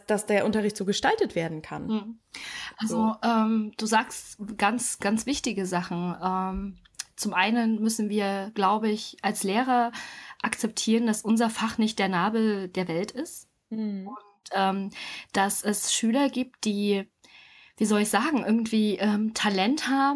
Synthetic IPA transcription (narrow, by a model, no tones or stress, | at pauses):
d̥asd̥eːɐʔʊntɐʁ̞ɪçtz̥oːɡəʃtaltətv̥eːɐdn̩kʰa̰n̩m̩ʔalzoʔɛːmd̥uːzaːkstɡ̥ant͡sɡ̥ant͡sv̥ɪçtɪɡəzaχn̩ʔɛːm | t͡sʊmʔaɪnənmʏsn̩viːɐɡ̥laʊbəɪçʔalsleːʁɐʔakt͡sɛp̚tʰiːʁənd̥asʔʊnzɐfaχnɪçt̚d̥eːɐnaːbl̩d̥eːɐvɛltɪst | ʔʊntʔɛːmd̥asɛsʃyːlɐɡiːp̚t̚d̥iː | v̥iːzɔlɪçz̥aːɡŋ̩ʔɪɐɡŋ̩tv̥iːʔɛːmtʰalɛnthaːb̩